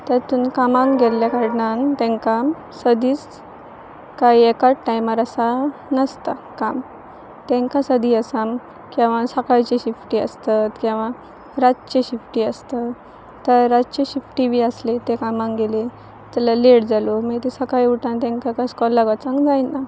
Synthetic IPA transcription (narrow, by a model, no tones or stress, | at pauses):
t̪at̪uːnkamãŋɡɡelljakaɽnant̪ɛ̃ŋka | səd̪ʱiːt͡s | kaiekaʈʈajmaɾəsanəst̪akam | t̪ɛ̃ŋkasəd̪ʱiːəsam | kɛ̃ʋ̤ãsəkajt͡ɕeɕifʈiːə̰st̪at̪kĩʋ̤ã | ɾatt͡ɕeɕifʈiːəst̪a | t̪əɾːad͡ʑt͡ɕeɕifʈiʋiəslet̪ekamãŋɡele | t̪alaleɽd͡zaloməɡet̪esəkajuʈãnt̪ɛ̃ŋkakajskɔlːaɡʋat͡sãŋɡd͡zajnːa